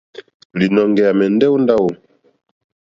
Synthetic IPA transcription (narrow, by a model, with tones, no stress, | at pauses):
li˨nɔ˨ŋɡɛ˨a˨mɛ˨ndɛ˦u˦nda˦wo˨